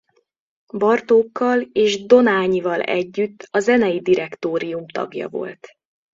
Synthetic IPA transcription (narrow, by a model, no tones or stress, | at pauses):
bɒrt̪oːkːɒleːʒd̪o̞naːɲivɒlɛ̰ɟːyt̪ːɒzɛnɛjid̪iɾɛkt̪oːɾijumt̪ɒ̰ɡjɒ̰vo̞̰lt̪